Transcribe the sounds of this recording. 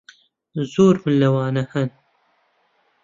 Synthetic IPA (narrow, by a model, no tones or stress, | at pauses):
zoːɾmɨnlːɐwɑːnɐhɐn